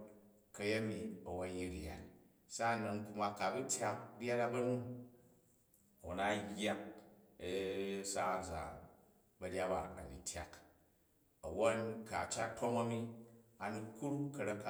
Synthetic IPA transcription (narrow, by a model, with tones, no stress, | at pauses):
kɐ˨je˦mi˨ɐ˨wo˦nji˦ɾja̰˨t | sa˦˨nɐ˨ŋku˧ma˧ka˨bu˦tʰʲja˦k̚ɾʲa˦ɾa˦bɐ˦nu˦˨ | wo˨na˦jʲa˦k̚ | sa˦˨za̰˨ | bɐ˧ɾʲa˦ba˨a̰˨nḭ˨tʲʰja̰˨k | ɐ˨wo˦nka˨t͡ʃa˦tʰo˦mɐ˦mi˦a˨ni˧ku˦ɾkɐ˨ɾa˦kːa˦